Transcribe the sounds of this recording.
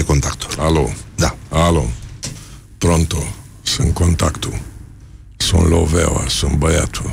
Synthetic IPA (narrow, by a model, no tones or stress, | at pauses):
ekont̪akt̪u̥alod̪aalo | pɾont̪o | sɨŋkont̪akt̪ʰu | so̰nlovewa̰sɨnbajat̪ʰu